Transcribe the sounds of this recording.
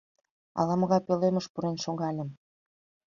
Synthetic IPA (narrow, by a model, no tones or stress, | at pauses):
ɑ̰lɑmə̆ɣɑpøleməʃpuɾenʃoŋɡɑlʲə̆m